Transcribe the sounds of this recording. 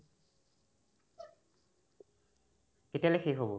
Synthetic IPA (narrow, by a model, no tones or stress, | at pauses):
ketialɛxeɦobɔ